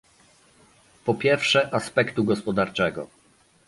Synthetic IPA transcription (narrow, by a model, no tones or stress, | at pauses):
pɔpʲjɛɾfʂɛʔaspɛkt̪uɡɔspɔd̪aɾt͡ʂɛɡɔ̰